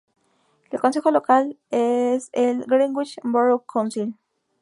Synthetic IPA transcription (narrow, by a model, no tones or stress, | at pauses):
elkons̬exolokal | eselɡɾĩŋɡwit͡ʃmboɾokʰːansil